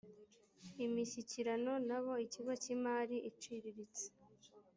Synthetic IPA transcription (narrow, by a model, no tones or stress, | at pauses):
imiʃiciɾano̞naβo̞iciɡo̞cimaːɾiʔit͡ʃiɾiɾit͡se̥